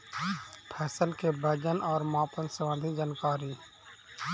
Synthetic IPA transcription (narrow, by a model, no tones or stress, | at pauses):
pʰɛːsəlkebəd͡ʒənɔːɾmãːpənsəʋãːnd̪ʱid͡ʒaːnkaːɾiː